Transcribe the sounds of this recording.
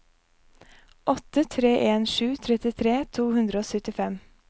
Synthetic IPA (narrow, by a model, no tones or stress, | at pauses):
ʔɔt̪ət̪ʰɾeːʔeːnʃʉːt̪ʰɾɛt̪ɪt̪ʰɾeːt̪ʰuːhʉnd̪ɾəoːsœt̪ɪfɛm